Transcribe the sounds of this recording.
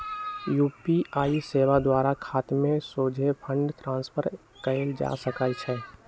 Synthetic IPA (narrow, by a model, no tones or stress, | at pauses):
juːpiaːiseːʋad̪waːɾakʰaːt̪mẽsoːd͡ʒʱepʰə̃ɳɖt̪ɾãːnspʰəɾ | kəeld͡ʒa̰ːsəkaːit͡ʃʰɛː